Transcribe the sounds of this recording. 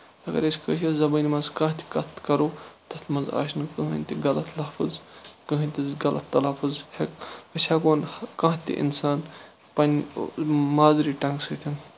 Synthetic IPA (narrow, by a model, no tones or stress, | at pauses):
t̪ɐɡɐ̰ɾesʲkəʃɐzɐbɨnʲimɐzkãːɦt̪ʰi̥kɐt̪ʰkɐɾoːt̪ɐt̪ʰmɐza̰ːʃnkɨɦɨnʲt̪iɡɐlɐt̪ʰlɐfɨzkəɦɨnʲt̪ʲizɡɐlʔɐ̰t̪ːɐlafɨzhekpɐʃʲʰaːkoːnhkãːt̪ḭʔḭnsaːn | pɐnʲ | maːzɾiʈɐŋɡsɨt̪ʰin